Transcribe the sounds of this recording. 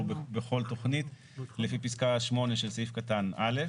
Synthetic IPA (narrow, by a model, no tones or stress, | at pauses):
bbeχo̞lto̞χnit̪ | lefipiskaʃmo̞ne̞ʃelsifkatanʔale̞